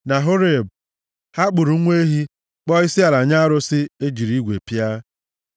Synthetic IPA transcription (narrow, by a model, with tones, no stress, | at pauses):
na˨ɦo˦ɾe˨b | ha˦k͡pʊ˨ɾu˨˦ŋʷe˦ɦi˦ | k͡pɔ˦ɪ˦sɪ˦a˨la˨ɲa˦a˦ɾʊ˦sɪ˦e˦d͡ʒi˨ɾi˦ɡʷḛ˨pja˦